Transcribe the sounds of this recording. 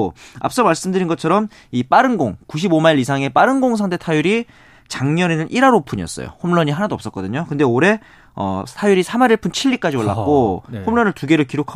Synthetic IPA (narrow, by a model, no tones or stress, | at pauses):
a̰p̚s͈ʌmaɭs͈ɯmdɯɾinɡʌt͡ɕʰʌɾʌm | ip͈aɾɯnɡoŋkuɕ̬ʰibomaiɾisʰaŋe̞paɾɯnɡoŋs̬ʰaŋde̞tʰajuɾi | t͡ɕaŋɲʌnenɯnʔiɾaɾopʰuɲiʌ̰s͈ʌ̰jo̰homɭʌɲiɦanadoʌps͈ʌt̚k͈ʌdɯɲokɯnde̞oɾe̞ | ʌ̰tʰajuɾisʰamaɾiɭpʰunt͡ɕʰiʎːik͈ad͡ʑiwʌɭːa̰k͈ohomɭʌnɯɭtuɡe̞ɾɯɭkiɾokʰa